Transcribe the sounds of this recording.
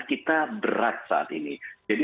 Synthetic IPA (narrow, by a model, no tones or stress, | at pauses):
kit̪abəɾat̪̚sa̰a̰t̪inid͡ʒadi